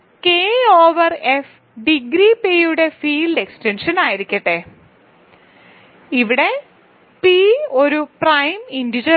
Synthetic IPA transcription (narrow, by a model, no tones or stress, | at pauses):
keːoːʋɐref | ɖiɡɾipeːjuɽe̞fiːlɖe̞kstenʂɐnaːjiɾikʲːɐʈːe | iʋiɽe̞ | pio̞ɾuprɐjmindid͡ʑɐ